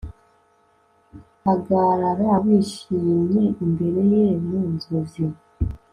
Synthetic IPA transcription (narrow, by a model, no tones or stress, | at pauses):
aɡaːɾaɾaβiːʃiːmɲe̞imbe̞ɾe̞jemunzozi